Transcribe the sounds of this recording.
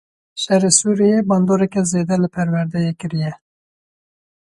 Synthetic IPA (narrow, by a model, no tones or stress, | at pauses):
ʃɛresuːɾijebɑːnd̪oːɾɛkɛzeːd̪ɛlɨpʰɛɾwɛɾd̪ɛjekɨɾijɛ